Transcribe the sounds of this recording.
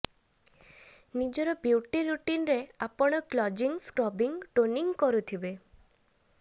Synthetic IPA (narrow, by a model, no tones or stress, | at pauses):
nid͡ʒɔɾɔbjuʈiɾuʈinɾeapɔɽ̃ɔklɔd͡ʒiŋskɾɔbiŋʈoniŋkɔɾut̪ʰibe